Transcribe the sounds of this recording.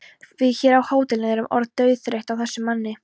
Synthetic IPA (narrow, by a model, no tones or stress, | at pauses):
vɪçɛːɾawhaːwt̪ɪlnɪðɛɾʏmʔɔ̰ɾðt̪œːɥθɾejht̪awθɛsːʏmanːɪ